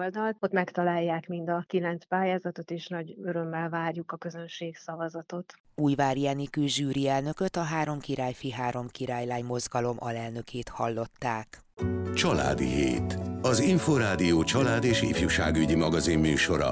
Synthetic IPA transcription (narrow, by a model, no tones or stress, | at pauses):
ld̪ɒlt̪ot̪mɛkt̪ɒlaːjːaːkmind̪ɒkilɛnspaːjaːzɒt̪o̞t̪eːʃnɒɟø̞ɾø̞mːɛlvaːrjukɒkø̞zønʃeːksɒvɒzɒt̪o̞t̪ | uːjvaːɾiaːnikøːʒyːɾiɛlnø̞køt̪ɒɦaːɾo̞mkiɾaːjfiɦaːɾo̞mkiɾaːjlaːjmo̞zɡɒlo̞mʔɒ̰lɛlnø̞kʰeːt̪hɒlːo̞t̪ːaːk | t͡ʃɒla̰ːd̪ḭɦḛːt̪ɒziɱfoːɾaːd̪ijoːt͡ʃɒlaːd̪eːʃḭfjuʃa̰ːɡyɟimɒɡɒzimːyːʃo̞ɾɒ̰